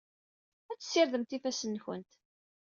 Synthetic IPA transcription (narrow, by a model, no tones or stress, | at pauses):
æt͡sːsːɪɾðəmt̪ifæsənːçə̰nt̪